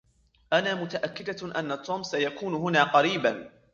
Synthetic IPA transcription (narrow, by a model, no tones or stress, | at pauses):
ʔanaːmʊt̪aʔakːɪd̪aʔanːat̪ʰoːmsajakuːnʊɦʊnaːqɑɾiːban